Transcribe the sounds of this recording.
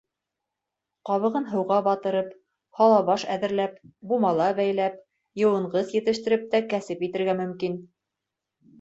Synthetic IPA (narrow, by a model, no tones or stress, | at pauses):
qɑβɤ̆ʁɤnɦɤ̆wʁɑbɑt̪ɤ̆ɾɤp | hɑlˠɑβɑʃæðɘ̆ɾlæpbumɑlˠɑbæjlæp̚ | jɤ̆wɤ̆ɴɢɤθjɘ̆t̪ɘ̆ʃt̪ɘ̆ɾɘp̚t̪ækæsɘpjit̪ɘ̆ɾɡæmɵ̆mkin